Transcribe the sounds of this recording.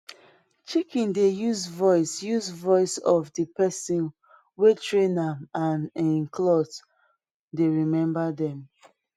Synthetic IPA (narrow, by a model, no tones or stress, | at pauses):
t͡ʃikĩndejuzvɔɪsjuzvɔɪsɔvdipɛsĩn | wetʰɹẽnamãnĩnklɔt | deɹimɛ̃mbadɛ̃m